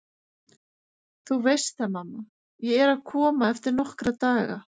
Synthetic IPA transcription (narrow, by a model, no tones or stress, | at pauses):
θuvejst̪θamamːa | jɛɛɾaðkʰɔːmaɛft̪ɪɾnɔhkɾat̪aːɣa̰